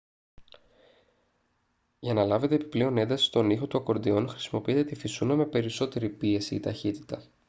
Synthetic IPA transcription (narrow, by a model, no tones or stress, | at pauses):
ʝɐnɐlɐve̞t̪eːpi̥pleo̞ne̞nd̪ɐsi̥st̪o̞nixo̞t̪uɐko̞ɾd̪io̞nxɾi̥simo̞piit̪et̪ifisunɐme̞pe̞ɾiso̞t̪e̞ɾipie̞siːt̪ɐçit̪i̥t̪ɐ